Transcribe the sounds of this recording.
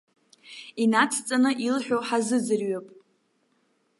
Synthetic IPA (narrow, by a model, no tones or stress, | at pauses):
inat͡sʰt͡sʼanɨʔilħᶣoħazɨd͡zɨrɥapʼ